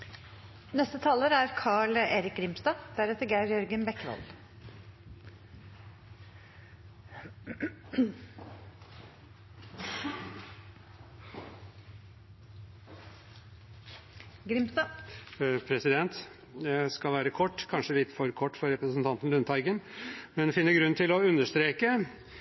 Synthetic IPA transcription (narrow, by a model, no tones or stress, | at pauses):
nɛst̪ət̪ʰɑːləɾæɾkʰɑːɭeːɾɪk̚ɡɾɪmst̪ɑːd̪̥æɾet̪əɾɡæɪɾjœɾɡənbɛkːʋɑ̰ld̪ | ɡɾɪmst̪ɑ | pʰɾɛsɪd̪ɛnt̪ | ɛskɑlʋæːɾəkʰɔʈːkʰɑnʂəlɪt̪fɔɾkʰɔʈːfɔɾɛpɾəsn̩t̪ʰɑnt̪n̩lʉnt̪ʰɑɪɡənmɛnfɪnːəɾɡɾʉnt̪ʰɪlɔʉnəʂt̪ɾeːkə